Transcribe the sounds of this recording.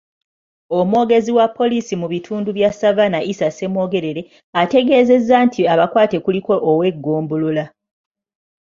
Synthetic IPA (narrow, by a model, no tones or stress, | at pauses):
o̞mwo̞ɡe̞ziwapːo̞lisimuβitʰuːnduβjasavanaʔisase̞mo̞ːɡe̞ɾe̞ɾe̞ | ate̞ɡe̞ːze̞zːaːntʰiaβakwaːte̞kuliko̞ʔːwe̞ɡːo̞ːmbolola